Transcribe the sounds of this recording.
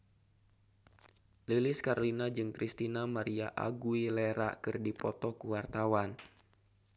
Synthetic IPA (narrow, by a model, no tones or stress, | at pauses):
lilɪskaɾolinad͡ʒɨŋkɾist̪inamaɾiaʔa̰ɡuileɾa̰kɨrdipɔt̪ɔkuwart̪awan